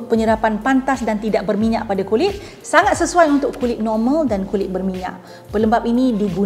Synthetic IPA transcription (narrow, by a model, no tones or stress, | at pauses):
pəɲəɾapanpant̪asdant̪idaʔbərmiɲa̰ʔpadakulɪt̪̚ | saŋat̪̚səsuajunt̪ʊkːulɪt̪̚nɔrmãldankulɪt̪̚bərmiɲã̰ʔ | pələmbap̚inidiɡu